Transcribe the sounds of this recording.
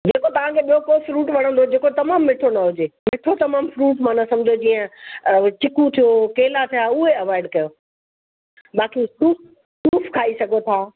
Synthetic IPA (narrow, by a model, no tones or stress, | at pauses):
d͡ʑeːkot̪ɐʋ̤ãkʰeɓijokoːfɾuːʈʋɐɽ̤̃ə̃nd̪od͡ʑeːkot̪ɐmaːmːɪʈʰonɐɦʊd͡ʑemɪʈʰot̪ɐmaːmfɾuːʈmãːnɐsɐ̃md͡ʑʱod͡ʑiːə̃t͡ɕɪkũt̪ʰijokeːlat̪ʰijaːʊɦeɐʋaːɪɖkɐjoː | ɓaːkisuːp | suːfkʰaːisɐɡʱot̪ʰaː